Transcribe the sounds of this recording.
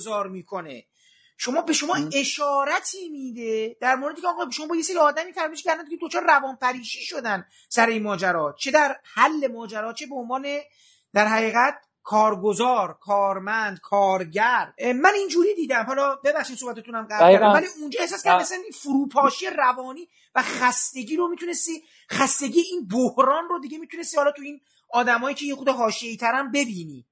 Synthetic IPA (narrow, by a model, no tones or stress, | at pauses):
zɒːɾmiːkʰo̞nḛ | ʃo̞mɒːbe̞ʃo̞mɒːe̞ʃɒːɾæt̪ʰiːmiːd̪e̞d̪̥æɾmoɾed̪iːcʰeːɣɒːbeʃoɒːbɒːjeseɾiɒːd̪æmiːfæɾmeʃʰæɾænd̪iɟed̪ot͡ʃʰɒːɾeɾævɒːnpʰæɾiːʃiːʃo̞d̪æn | sæɾeiːnmɒːd͡ʒæɾɒːt͡ʃʰe̞d̪æɾhælːe̞mɒːd͡ʒæɾɒːt͡ʃʰe̞beonvɒːne̞ | d̪̥æɾɦæɣiːɣæt̪̚ | kʰɒːɾɡozɒːɾkʰɒːɾmænd̪kʰɒːɾɟæɾmænind͡ʒuːɾiːd̪iːd̪æmhɒlɒːbe̞bæχʃiːsohbæt̪ʰet̪unæmɢæɾæɾd̪æmvæliund͡ʒɒːhe̞hsɔːskʰæɾd̪æsæninfuɾuːpʰɒːʃijeɾævɒːniː | væχæst̪e̞ɟiːɾo̞mit̪une̞st̪iː | χæst̪e̞ɟijeiːnbohɾɒːnrod̪iɟe̞miːt̪ʰune̞st̪ihɒːlɒːt̪ʰuiːn | ɒːd̪æmɒːjiːcʰe̞jexud̪eɦɒːʃie̞iːt̪ʰæɾænbe̞biːniː